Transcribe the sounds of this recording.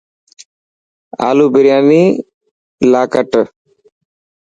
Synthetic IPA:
a̰ːluːbɪɾɪjaːniː | laːkəʈ

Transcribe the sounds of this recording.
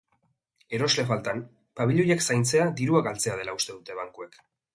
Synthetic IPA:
e̞ɾo̞zle̞falt̪an | paβiʎojaksajnt͡se̞ad̪iɾuaɡalt͡se̞að̞e̞laust̪e̞ðut̪e̞β̞aŋkue̞k

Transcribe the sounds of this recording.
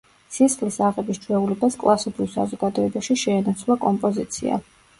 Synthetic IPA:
sisχlisaʁɛbist͡ʃʰwɛulɛbaskʼlˠʔasidʰulˠsa̰zɔɡad̪ɔɛbaʃiʃɛːnat̪sʰvlˠakʼɔmpʼɔzit̪sʰḭa̰

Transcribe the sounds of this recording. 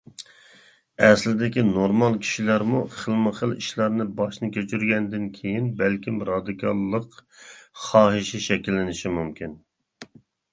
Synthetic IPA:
ɛslɪd̪ɪkʲinoɾmɑlˠkʲʰi̥ʃilæɾmuχəlˠmɨχəlḭʃlˠɑɾnɨbɑʃnɨkʲet͡ʃʰyɾɡʲɛnd̪ɪnkʲʰejinbælkʲʰimɾɑd̪ɨkʰɑlˠːəq | χɑːɦɨʃɛʃɛkʲilːɪnɪʃimumkʲʰin

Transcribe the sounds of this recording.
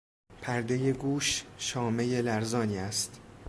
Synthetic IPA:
pʰæɾd̪ejeɡuːʃʃɒːme̞jelæɾzɒːniːæst̪

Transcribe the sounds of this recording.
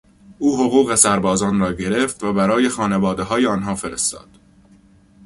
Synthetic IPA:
ʔuːɦoɣuːɣe̞sæɾbɒːzɒːnɾɒːɟe̞ɾe̞ft̪væbæɾɒːje̞xɒːne̞vɒːd̪e̞ɦɒːjeɒːnɦɒːfe̞ɾest̪ɒ̰ːd̪̥

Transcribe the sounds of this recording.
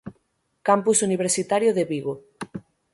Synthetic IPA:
kampusuniβ̞eɾsit̪aɾjoðeβiɣo

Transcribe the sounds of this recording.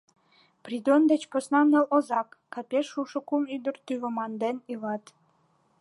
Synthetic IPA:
prid̪ond̪et͡ɕposnɑnəlozɑkːɑpʲeʃːuʃokumyd̪ərt̪yβə̆mɑnd̪enilɑt̪

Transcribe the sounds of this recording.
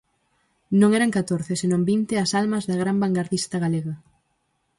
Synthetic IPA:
nõŋɛɾɐŋkat̪oɾθesenõmbint̪ɪɐsalmɐzðɐɣ̞ɾambaŋɡaɾðist̪ɐɣaleɣɐ

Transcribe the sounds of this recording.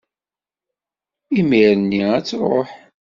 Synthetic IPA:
imiɾənːiæt͡sːɾˤo̰ħ

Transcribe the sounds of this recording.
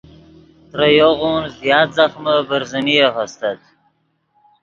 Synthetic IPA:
t̪ɾəjoɣonzjɑːt̪zaxməbəɾzəniaxəst̪at̪̚

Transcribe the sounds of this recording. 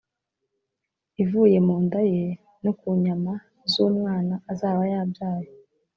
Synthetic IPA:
ivuːje̞muːndaje | nokuɲama | zuːmŋaːnaːzaːβajaːbjaːjo

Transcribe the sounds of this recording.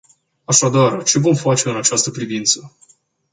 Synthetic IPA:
aʃad̪art͡ʃe̞vo̞mfat͡ʃe̞ɨnat͡ʃast̪əpɾivint̪sə

